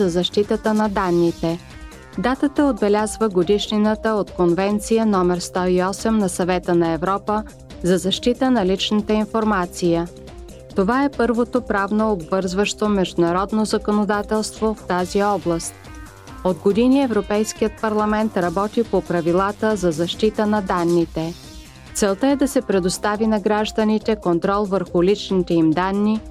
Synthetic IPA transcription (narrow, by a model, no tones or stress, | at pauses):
zɐzɐʃt̪it̪ət̪ənɐd̪anːit̪ɛ | d̪at̪ət̪əod̪̚bɛlʲazvəɡod̪iʃninət̪əot̪konvɛnt̪sijənɔmɛɾst̪ɔiɔsɛmnɐsɐvɛt̪ənɐɛvɾɔpə | zɐzɐʃt̪it̪ənɐlit͡ʃnət̪əinfoɾmat̪sijə | t̪ovaɛpɤɾvot̪opɾavnoːbvɤɾzvəʃt̪omɛʒd̪ʊnɐɾɔd̪nozɐkonod̪at̪ɛlˠst̪voft̪aziɔblˠəst̪̚ | od̪ɡod̪iniɛvɾopɛjskijət̪̚pɐɾlˠɐmɛnt̪ɾɐbɔt̪ipopɾɐvilˠat̪əzɐzɐʃt̪it̪ənɐd̪anːit̪ɛ | t̪sɛlˠt̪əɛd̪ɐsɛpɾɛd̪ost̪avinɐɡɾaʒd̪ənit̪ɛkont̪ɾɔlˠvəɾxʊlit͡ʃnit̪ɛimd̪anːi